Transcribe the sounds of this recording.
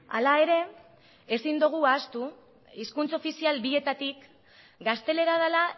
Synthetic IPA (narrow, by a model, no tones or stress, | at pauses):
a̰lae̞ɾe̞ | esind̪uɣ̞uaːst̪u | iskunt͡so̞fisialbie̞t̪at̪ik | ɡast̪e̞le̞ɾað̞ala